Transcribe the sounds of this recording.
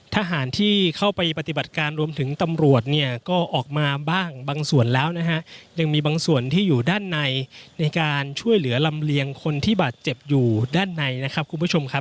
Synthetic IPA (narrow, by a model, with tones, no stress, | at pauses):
t̪ʰaː˧ɦaː˩˦nt̪ʰiː˥kʰa˥˩wpa˧jpa˧t̪i˨ba˨˩t̪̚kaː˧nɾu˧əmt̪ʰɯ˩˦ŋt̪a˧mɾu˨˩ət̪̚ni˥˩ɐkɔː˥˩ʔɔː˨˩k̚maː˧baː˥˩ŋbaː˧ŋsu˨˩ənlɛː˦˥wna˦˥kʰa˦˥ʔja˧ŋmiː˧baː˧ŋsu˨˩ənt̪ʰiː˥˩juː˨˩daː˥˩nːa˧jna˧jkaː˧nt͡ɕʰu˥˩əjlɯ˩˦ɐla˧mli˧əŋkʰo˧nt̪ʰiː˥˩baː˨˩t̪̚t͡ɕe˨˩p̚juː˨˩daː˥˩nːa˧jna˦˥kʰɾa˦˥p̚kʰu˧npʰu˥˩t͡ɕʰo˧mkʰa˦˥p̚